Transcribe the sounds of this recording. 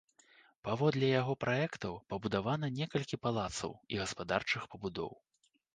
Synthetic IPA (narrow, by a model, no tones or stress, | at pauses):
pavɔd̪lʲɛjaɣɔpɾʔaɛkt̪ɐwpɐbud̪avanɐnʲɛkɐlʲkʲipalˠat̪sɐ̰wḭɣɐspad̪art͡ʂɨxpɐbud̪ɔ̰w